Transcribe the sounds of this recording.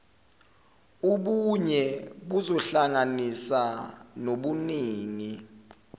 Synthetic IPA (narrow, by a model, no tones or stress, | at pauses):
uɓuɲɛɓuzɔɬaŋanisanoɓuniːŋi